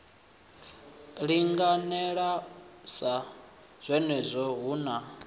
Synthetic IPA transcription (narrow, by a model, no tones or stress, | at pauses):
ɺiŋɡanɛɺasa | z̥ʷɛnɛzʷɔɦuːna